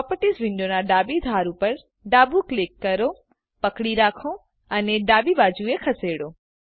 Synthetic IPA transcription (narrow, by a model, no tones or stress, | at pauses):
ɔpəʈisʋɪ̃ɳɖonaɖaːbid̪ʱaːɾupɐɾ | ɖaːbuklɪkːɐɾo | pɐkɽiɾaːkʰo | əneɖaːbibaːd͡ʒuekʰɐseːɽoː